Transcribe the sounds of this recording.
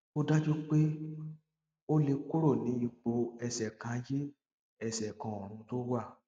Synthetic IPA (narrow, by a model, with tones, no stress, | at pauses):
o˦da˦d͡ʒo˦k͡pe˦ | o˦le˧ko˦ɾo˦˨nĩ˨˦i˧k͡po˧ɛ˧sɛ˨kã˨˧˦je˦ | ɛ˧˨sɛ˨kã˨o˨ɾ̃ũ˧to˦wa˦˨